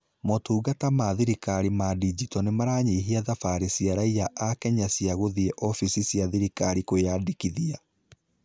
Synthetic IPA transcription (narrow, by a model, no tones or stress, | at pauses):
motuːɡatamaðiɾikaɾimadid͡ʒitɔnemaɾaːɲeɦiaðafaɾesiaɾaijaʔːkɛɲasiaɣoðiɛʔɔfisisjaðiɾikaɾikojadikiðia